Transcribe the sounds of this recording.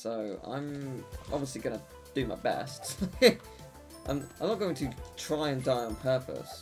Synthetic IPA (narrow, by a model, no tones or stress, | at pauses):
soʊã̰ɪ̃mʔɑ̰bviəsliɡʌnə | d̥ɨmaɪbɛ̰st | ʔã̰ɪ̃mãmnət̚ɡ̥oʊɪ̃ŋtʰɨtʰɹ̥aɪɨ̃ndaɪə̃npʰɜˑpʰə̰s